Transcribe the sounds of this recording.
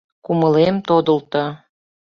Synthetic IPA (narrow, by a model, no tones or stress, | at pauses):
kuməlemt̪od̪ə̆lt̪o